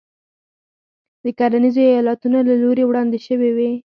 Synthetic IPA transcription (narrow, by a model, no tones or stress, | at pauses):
d̪əkaɾanizoajɑlat̪unolaloɾewɽɑnd̪eʃəwewe